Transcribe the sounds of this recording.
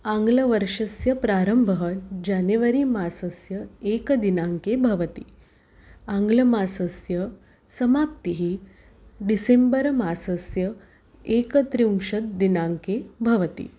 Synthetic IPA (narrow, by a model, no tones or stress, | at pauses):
aŋɡlɐʋɐɾʂɐsjɐpɾaːɾəmbʱəɦɐd͡ʑanjɐʋɐɾiːmaːsɐsjɐeːkɐd̪inaŋkebʱɐʋɐt̪ḭ | aŋɡlɐmaːsɐsjɐ | sɐmaːpt̪iɦi | ɖisembəɾmaːsɐsjɐ | eːkɐt̪ɾiumʃɐd̪̚d̪inaŋkebʱɐʋɐt̪ḭ